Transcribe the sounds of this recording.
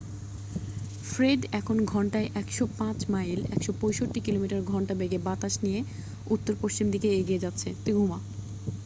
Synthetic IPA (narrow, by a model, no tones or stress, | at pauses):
fɾeɖɛkʰonɡʱɔɳʈaeʔɛkʃopãt͡ɕmailɛ̰kʃopojʃoʈːikilomiʈaɾɡʱɔɳʈabeɡebat̪aʃnije | ut̪ːoɾpoʃt͡ɕimd̪ikeeɡied͡ʑatːɕʰet̪ɾiɡʱuma